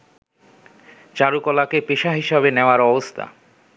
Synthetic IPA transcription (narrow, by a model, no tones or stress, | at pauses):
t͡ɕaɾukɔlakepeʃaɦiʃabeneoaɾɔbost̪ʰa̰